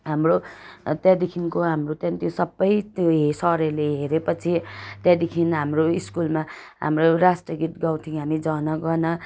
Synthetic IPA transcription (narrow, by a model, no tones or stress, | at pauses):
ɦamrot̪jad̪ikʰinkoɦamrot̪jʌ̃nt̪josʌbːʌjt̪oɦesʌɾʌleɦeɾepʌt͡sʰit̪jad̪ikʰinɦamroiskulma | ɦa̰mroɾasʈʌɡiʈɡawʈʰiŋɦamid͡zʌnʌɡʌnʌ